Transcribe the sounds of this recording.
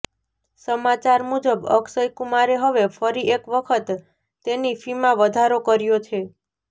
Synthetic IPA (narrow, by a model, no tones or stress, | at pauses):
səmat͡ʃaɾmud͡ʒəbə̰ksəjkumaɾeɦəʋefəɾiekʋəkʰət̪ː | enifimãʋəd̪ʱaɾokəɾjot͡ʃʰe